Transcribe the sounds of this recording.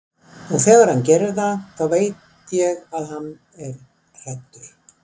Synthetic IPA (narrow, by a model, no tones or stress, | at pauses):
ɔɣθɛːɣaɾ̥hancɛːɾɪɾθaθaveːjt̪ | jɛɣaðhanː | ɛɾ | r̥ɛht̪ːʏ̥